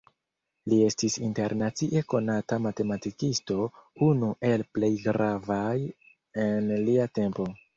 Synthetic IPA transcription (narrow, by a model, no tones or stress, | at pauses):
lie̞stisinte̞ɾnat͡siʔe̞ko̞natamate̞matikisto̞unuʔe̞lple̞jɡɾavaj | e̞nliate̞mpo̞